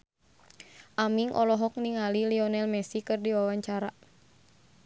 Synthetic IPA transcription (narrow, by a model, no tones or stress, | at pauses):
ʔamiŋʔɔ̰lɔɦɔk̚niŋaliliɔnɛlmɛsikɨrdiwawaɲt͡ʃaɾa